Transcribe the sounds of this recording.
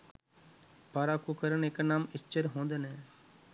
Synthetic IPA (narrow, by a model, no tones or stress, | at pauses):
paːɾaːkukəɾəneːknaːmɪst͡ʃəɾɦõːnd̪əneː